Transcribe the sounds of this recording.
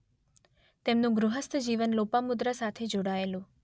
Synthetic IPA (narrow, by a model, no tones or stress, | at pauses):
t̪emnũɡɾuɦəst̪əd͡ʒiʋənlopamud̪ɾasat̪ʰed͡ʒoɽaelũ